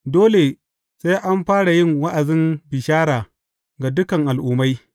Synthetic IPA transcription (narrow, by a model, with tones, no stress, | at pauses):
doː˦le˨ | sa˦jʔa˦mɸaː˦ɽa˨jɪ˦˨ŋwa˦ʔa˨zɪ˦mbɪ˨ʃaː˦ɽaː˨ | ɡa˨dʊ˦kɐ˨ŋʔa˨lʔʊː˨ma˦j